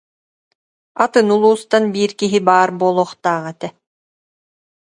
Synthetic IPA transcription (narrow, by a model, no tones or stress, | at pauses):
at̪ɯnulˠuːst̪anbiːɾkiɦibaːɾbuɔlˠɔːχt̪aːʁɛt̪ɛ